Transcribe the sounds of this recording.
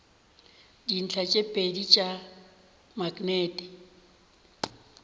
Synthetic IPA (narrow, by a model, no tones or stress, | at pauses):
din̩t͡ɬʰat͡ʃʼepʼedit͡ʃʼa | maɡʼnɛːdʼɛ